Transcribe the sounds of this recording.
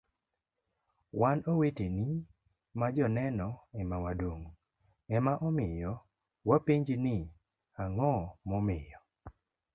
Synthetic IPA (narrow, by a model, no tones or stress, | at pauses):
wanoweteni | mad͡ʒɔnɛnɔɛmawadoŋ | ɛmaʔɔmɪjɔ | wapiɲd͡ʒnɪ | aŋɔmɔmɪjɔ